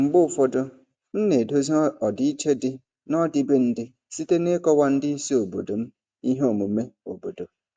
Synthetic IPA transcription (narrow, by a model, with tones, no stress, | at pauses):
ŋ͡m̩˨ɡ͡bʊ˦˨fɔ˦do˦ | n̩˦ne˨do˦zi˦ɔ˨dɪ˨˦i˦t͡ʃe˦dɪ˦ | nɔ˦dɪ˦be˦n̩˦dɪ˦ | si˦te˦ne˦kɔ˦wa˦n̩˦dɪ˦i˦si˦o˨bo˨do˨m̩˦ | i˦ɦe˦o˨mu˨˦me˦o̰˨bo˨do˨